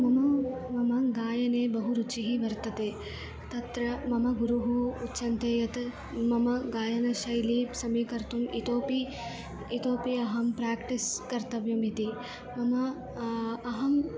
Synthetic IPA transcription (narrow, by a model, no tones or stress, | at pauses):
mɐmɐmɐmɐɡaːjɐneːbɐɦuɾut͡ʃiɦiʋɐɾt̪ɐt̪eː | t̪ɐt̪ɾɐmɐmɐɡuɾuɦuːtːʃɐnt̪eːjɐt̪ | mɐmɐɡaːjɐnɐʃɐjliːpsɐmiːkɐɾt̪umit̪oːpi | it̪oːpiɐɦɐmpɾaːkʈiskɐɾt̪ɐʋimit̪i | mɐmɐː | ɦɐm